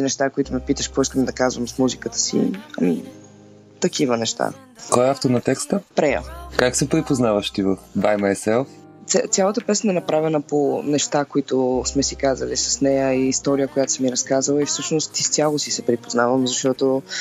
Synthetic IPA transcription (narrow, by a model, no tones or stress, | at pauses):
nɛʃt̪akoit̪ʊmɛpit̪əʃpoiskəmd̪ɐkazvəmsmuzikət̪ə̥sḭɐ̰mḭ | t̪ɐkivənɛʃt̪a̰ | kɔɛaft̪oɾnɐt̪ɛkst̪əpɾɛjə̰kaksɛpɾipoznavəʃt̪ivəfd̪ajmɐɛsɛlˠ | t̪st̪sʲjalˠət̪əpɛsnəɛnɐpɾavɛnəponɛʃt̪akoit̪ʊsmɛsikazəlisɐ̥snɛjəiːst̪ɔɾijəkojat̪ʊ̥səmiɾɐskazəlˠəifsɤʃnost̪ist̪sʲalˠosisɛpɾipoznavəmzɐʃt̪ɔt̪o